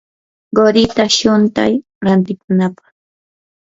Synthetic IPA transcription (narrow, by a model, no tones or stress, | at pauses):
ɢoɾɪt̪aʃʊnt̪a̰j | ɾant̪ɪkʊnapɑ̥χ